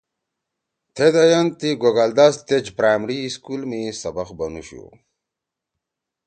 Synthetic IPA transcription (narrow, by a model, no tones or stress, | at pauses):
t̪ʰed̪ɐjɐnt̪iɡoɡald̪ast̪ed͡ʑpɾaːmɾiːskulmisɐbɐxbɐnṵɕṵ